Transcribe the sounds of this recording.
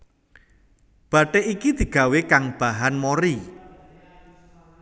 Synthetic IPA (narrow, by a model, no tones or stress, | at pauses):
b̥a̤ʈeʔikid̪̥i̤ɡ̥a̤wekaŋb̥aɦanmoɾi